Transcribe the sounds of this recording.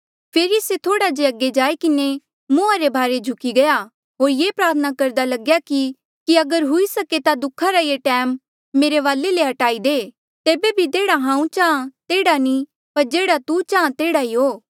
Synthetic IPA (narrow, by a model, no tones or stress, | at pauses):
pʰeːɾiset̪ʰoːɽad͡ʒeɐɡːed͡ʒaːekɪne | mʊaɾebʱaːɾed͡ʒʱʊkiɡɐja | ɦoːɾjeːpɾaːt̪ʰənakɐɾd̪alɐɡjaki | kiɐɡəɾɦʊisɐket̪ad̪ʊkʰːaɾajeːʈɛːmː | eːɾeʋaːlːeleɦɐʈaːid̪eː | t̪eːbebʱit̪eːɽaɦãːũt͡ʃaːãt̪eːɽani | pɐɾd͡ʒeːɽat̪ut͡ʃaːãt̪eːɽaiɦoː